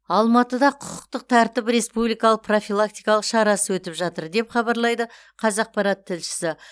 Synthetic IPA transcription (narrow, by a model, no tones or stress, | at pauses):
ɑlˠmɑt̪əd̪ɑqʰʊqə̥q̚t̪əq̚t̪ʰæɾt̪ɪpɾe̞spublijkɑlˠəqpro̞fʲijlˠakt̪ijkɑlˠəqʃɑɾɑsəwɵt̪ɪpʒɑt̪əɾd̪e̞pχɑbɑɾlˠɑjd̪ə | qʰɑzɑq̚pɑɾɑt̪ʰːɪlʃɪ̥sɪ